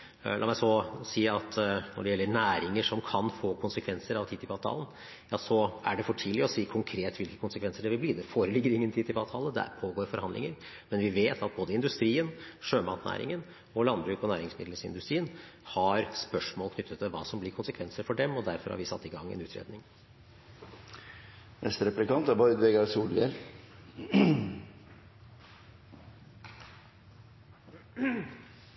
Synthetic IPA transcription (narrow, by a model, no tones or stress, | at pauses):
lʔɑ̰mæɪsɔsiːɑt̪nɔ̰ɖɛjɛlːəɳæːɾɪŋəʂɔmkʰɑnfoːkʰʊnsəkʰʋɛnsəɾɑʋt̪ʰiːt̪ɪpɑʋt̪ʰɑ̰ːlən̩ | jɑːsɔæɖɛfɔʈʰiːlɪəɔsiːkʰʊŋkʰɾeːt̪ʋɪlkə̥kʰʊnsəkʰʋɛnsəɖɛʋɪlb̪liːd̪ɛfoːɾəlɪɡəɾɪŋːənt̪ʰiːt̪ɪpɑːʋt̪ʰɑːləd̪æ̰ɾpʰoːɡoːɾfɔɾhɑnd̪ɪ̰ŋəɾ | mɛnʋɪʋeːt̪ʰɑt̪̚boːd̪əɪnd̪ʉst̪ɾiːənʂøːmɑːt̪næ̰ːɾɪ̰ŋən | ɔlɑnbɾʉːkɔnæːɾɪŋsmɪ̰d̪ləsɪ̰nd̪ʉst̪ɾiːənhɑɾspœʂmoːlkʰnʏt̪ːət̪ːɪlʋɑ̰ːsɔmblɪɾkʰʊnsəkʰʋɛnsəɾfɔɖɛmɔd̪æɾfɔɾhɑ̰ɾʋɪsɑ̰t̪ːɪɡɑŋːɛ̰nʉːt̪ʰɾḛːd̪nɪŋ | ʋʔɛst̪ɾɛplɪkɑnt̪ɑbɔʏd̪ʋeɡɑɾsuːlʋel